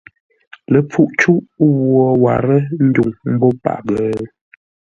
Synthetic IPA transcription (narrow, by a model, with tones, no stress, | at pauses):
lə˨p͡fu˦ʔt͡ʃu˦ʔwwɔ˨wa˨ɾə˦n̩˦du˨ŋm̩˦bɔ˦pa̰˨ʔɡə˨